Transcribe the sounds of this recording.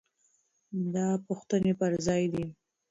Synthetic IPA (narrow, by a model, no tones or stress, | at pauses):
d̪ɑpuxt̪ənepəɾzɑjd̪i